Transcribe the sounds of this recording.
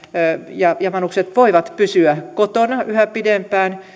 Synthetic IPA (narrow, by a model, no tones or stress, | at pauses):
jɑjɑmɑnukset̪ʋoiʋɑt̪pysyækot̪onɑʔyhæpidempæːn